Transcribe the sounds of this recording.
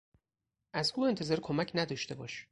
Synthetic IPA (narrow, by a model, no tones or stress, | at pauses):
ʔæzuːe̞nt̪ʰezɒːɾkʰomæcʰnæd̪ɒːʃt̪e̞bɒːʃ